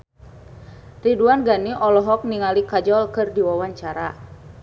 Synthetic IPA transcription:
riduanɡaniʔɔlɔɦɔk̚niŋalikad͡ʒɔlkɨrdiwawaɲt͡ʃaɾa

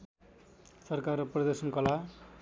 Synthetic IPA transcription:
sʌrkarʌprʌd̪esʌnkʌla

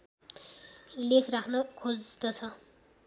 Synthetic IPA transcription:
lekʰrakʰnʌkʰod͡zd̪ʌt͡sʰʌ

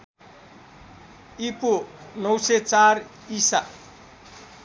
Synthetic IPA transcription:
iponʌwset͡sar | isa

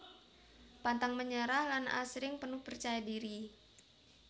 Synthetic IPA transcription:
pant̪aŋməɲəɾahlanʔa̰sɾɪŋpənʊhpərt͡ʃajadiɾi

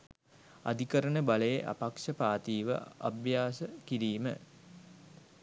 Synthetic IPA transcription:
a̰d̪ʱikəɾənəbaləjeʔa̰pakʂəpaːt̪iːʋə̰a̰bjaːsəkiɾiːmə

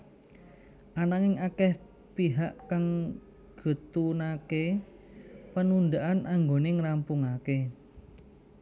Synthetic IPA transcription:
ʔanaŋɪŋakɛh | piɦaʔkaŋ | ɡ̥ə̤t̪unake | pənund̪aʔanʔaŋɡoneŋɾampuŋake

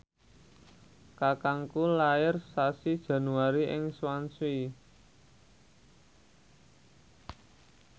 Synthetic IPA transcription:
kakaŋkulaɪrsasid̥ʒ̥a̤nuwaɾiʔɪŋswansui

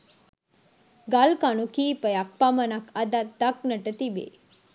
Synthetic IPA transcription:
ɡalkanukipəjak̚pamənakʰad̪ad̪ak̚nəʈət̪ibḛ

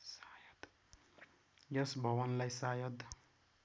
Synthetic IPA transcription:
sajʌd̪ | jʌsbʱʌwʌnlajsajʌd̪

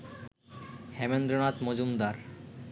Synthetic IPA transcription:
hɛmend̪ɾonat̪mod͡ʑumd̪aɾ

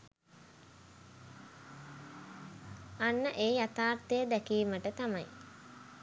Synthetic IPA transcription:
anːəʔeːjat̪aːrt̪ejəd̪ækiːməʈət̪amaj

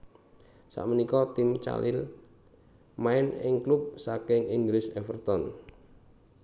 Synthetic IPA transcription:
sa̰ʔmənikɔt̪ɪmt͡ʃa̰lɪ̰l | maɪnɪŋklup̚sakɪŋiŋɡlɪsɛfərt̪ɔn

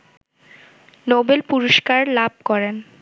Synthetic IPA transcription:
nobelpuɾoʃkaɾlab̚ʱkɔɾen

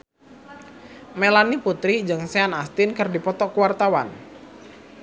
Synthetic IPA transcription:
melaniput̪ɾid͡ʒɨŋseanast̪ɪnkərdipɔt̪ɔkuwart̪awan

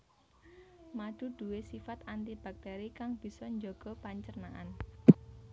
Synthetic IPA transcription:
maɖ̪̥uɖ̪̥ṳwesifat̪ant̪ib̥a̤k̚t̪ɛɾikaŋb̥i̤sɔɲd͡ʒoɡ̥ɔ̤paɲt͡ʃərnaʔa̰n

